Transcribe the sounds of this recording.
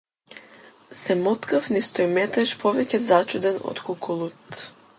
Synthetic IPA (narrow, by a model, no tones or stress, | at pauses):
sɛmɔt̪kafnist̪ɔjmɛt̪ɛʃpʰɔvɛcɛzat͡ʃud̪ɛnɔ̰t̪kʰukulˠut̪